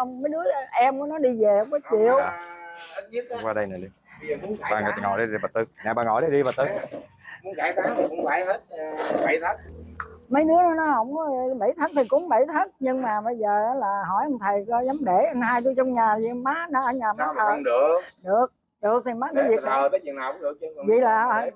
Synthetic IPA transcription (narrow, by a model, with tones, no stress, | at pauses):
wŋ͡mmə˨˦jɗɨ˨˦˥ə˧ʔɛ˧mkɔ˨˦nɔ˨˦ɗi˧ve˨˩hə˧˦wŋ͡mkɔ˨˦t͡ɕḭ˧˨əw | kwaː˧ɗə˧jna˨˩li˧˨ | ɓa̰ː˧˩ŋ˨˩˨ŋɔ̰˧˩jɗə˨˧˦i˧˩vaː˨˩t̪ɨ˦˥k̚ɲaː˨˩ɓaː˨˩ŋɔ̰˧˩jɗə˨˦ɗi˧vaː˨˩t̪ɨ˦˥k̚ | kːt̚ɓt̪ʰa˨˦ŋmə˨˦jnɨ˨˦˥ənɔ˨˦nɔ˨˦hə̰˧˥wŋ͡mɔ˨˦˨ɓə˧˩jt̪ʰaː˨˦ŋt̪ʰi˨˩kʊ̰˨˧˦ŋ͡mɓə˧˩jt̪ʰa˨˦ŋ̚ɲɨ˧ŋmaː˨˩ɓə˧jzəː˨˩ʔaː˨˦laː˨˩ɦɔ˧˩jʔə˧wŋ͡mt̪ʰə˨˩jkɔ˨˦zaː˨˦mɗe˧˩ʔa˧ŋhaː˧jt̪u˧˦t͡ɕɔ˧wŋ͡mɲaː˨˩i˨˧maː˨˦˥na˧ʔəː˧ɲaː˨˩maː˨˦t̪ʰəː˧˩˨nɗə˨˩əkɗɨ˨˩ək̚ | ɗɨ˨˩ək̚t̪ʰi˨˩maː˦˥nə˨˦vi˨ək̚na˨˦ə˨˦i˨naː˨˩kʊ˧˦ŋ͡mɗɨ˨˩k̚vḭ˧˨laː˨˩˧